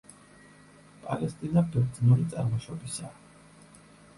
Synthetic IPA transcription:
pʼalɛst̪ʼinabɛɾd̪znuɾit̪sʼa̰ɾmɔʃɔbisaː

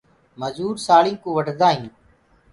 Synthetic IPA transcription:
məzuːɾsaːɭĩːkoːʋəɖd̪aːɦĩː

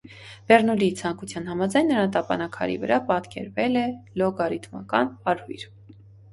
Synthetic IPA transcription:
b̥ɛrnulit͡sʰɑŋkut͡sʰjɑnɦɑmɑd͡zɑjnːəɾɑnt̪ɑpɑnɑkʰɑ̰ɾḭvə̰ɾʔɑpɑt̪kɛ̰ɾvɛlɛlɔɡɑɾit̪ʰmɑ̰kɑ̰nɑɾhujɾ

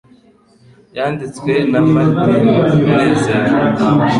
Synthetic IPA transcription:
jaːndit͡swenavateiɾeza

